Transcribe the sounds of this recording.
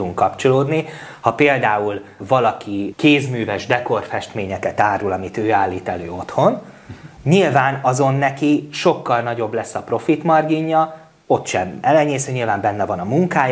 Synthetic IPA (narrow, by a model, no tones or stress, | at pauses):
uŋkːɒpt͡ʃo̞loːd̪ni | hɒpeːld̪aːulvɒlɒkikeːzmyːvɛʒd̪ɛko̞rfɛʃt̪meːɲɛkɛt̪aːɾulɒmit̪øːaːlːiːt̪ɛløːo̞t̪ho̞n | ɲilvaːnɒzo̞nːɛkiʃo̞kːɒlnɒɟo̞blɛsːɒpro̞fit̪mɒrɡiɲːɒ | o̞t̪ʃɛmɛlɛɲeːsøɲilvaːmbɛnːɛvɒnɒmuŋkaːj